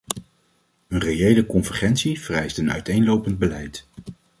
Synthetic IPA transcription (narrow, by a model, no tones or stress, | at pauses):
ənrejejləkɔnvəɹχɛntsiv̥ərɛjstənœ̰ɥtejnlowpənd̚bəlɛjt